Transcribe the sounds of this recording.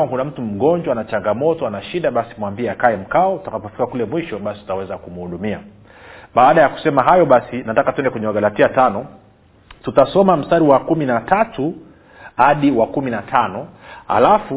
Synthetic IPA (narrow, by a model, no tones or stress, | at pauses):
akunam̩tum̩ɠɔɲd͡ʒwanat͡ʃaŋɡamɔtɔanaʃiɗaɓasi̥mwambiɛakaɛm̩kaɔutakapɔfi̥kakulɛmwiʃɔɓasi̥tu̥tawɛzakum̩huɗumia | ɓaːɗajaku̥sɛmaɦajɔɓasinatakatwɛndɛkwɛɲɛwaɠalatiatanɔ | tutasɔmam̩staɾiwakuminatatu | haɗiwakuminatʰanɔha̰lafu